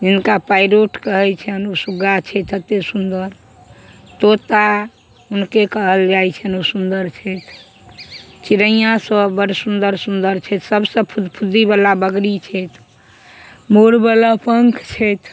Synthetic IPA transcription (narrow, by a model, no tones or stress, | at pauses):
d͡ʒinkapajɾoʈkəɦɛt͡ʃʰənusuɡat͡ʃʰɛt̪ət̪ːesund̪əɾ | t̪ot̪a | unkekəɦəld͡ʒajt͡ʃʰənusund̪əɾt͡ʃʰɛt̪ʰ | t͡ʃiɾəijãsə̃bəɾsund̪əɾsund̪əɾt͡ʃʰɛt̪səbsə̃pʰud̪pʰud̪ibalabəɡɾit͡ʃʰɛt̪ʰ | moɾbələpəŋkʰt͡ʃʰɛt̪ʰ